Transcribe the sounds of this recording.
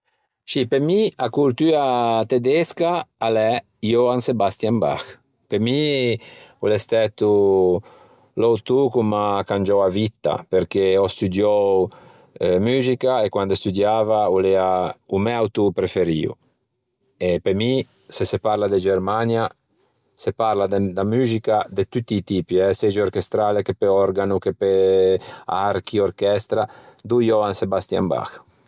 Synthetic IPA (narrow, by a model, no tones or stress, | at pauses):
sipemiakult̪yːat̪ed̪ɛskaːlɛ | ioansebast̪jamba̰x | pemi | ulest̪ɛt̪u | lɔwt̪ukumakand͡ʒɔwavit̪ːa̰peɾkeɔst̪ud̪jɔw | myːzikaekwand̪ost̪ud̪jaːvaulɛaumɛawt̪upɾefeɾḭṵ | epemi | sesepaɾlad̪ed͡ʒeɾmanja | sepaɾlad̪d̪amyːzikad̪et̪ut̪ːiːt̪ipiɛsed͡ʒeoɾkest̪ɾalekepeɔɾɡanukepe | aɾkiorkɛst̪ɾad̪ujɔansebast̪ja̰mba̰x